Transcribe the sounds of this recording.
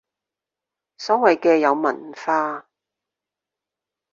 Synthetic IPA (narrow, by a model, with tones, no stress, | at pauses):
sɔ˨˥ŋwɐ˨jkɛː˧jɐ˨˧wmɐ˨˩nfaː˧